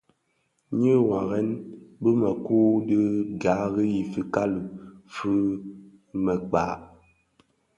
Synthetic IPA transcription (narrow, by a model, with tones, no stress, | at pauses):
ɲɨ˦wa˨ɣɛ˦nbɨ˦mɛ˨kuː˦də˦ɡa˨˦ɣi˦ji˨fi˨ka˦lu˨fɨ˦ | mɛ˨k͡paː˨˦ʔ